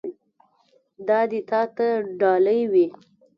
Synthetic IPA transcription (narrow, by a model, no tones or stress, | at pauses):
d̪ɑd̪ɪt̪ɑt̪aɖɑləjwi